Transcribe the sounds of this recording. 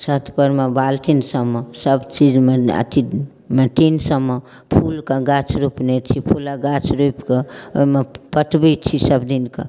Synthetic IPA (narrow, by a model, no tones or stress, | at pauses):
sət̪ʰpəɾmebalt̪insəmːəsəbt͡ʃid͡ʒmeə̰t̪i | met̪insəmːə | pʰulkaɡat͡ʃʰɾupnet͡ʃʰipʰulaɡat͡ʃʰɾupkəo̰imepəʈbit͡ʃʰisəbd̪inka̰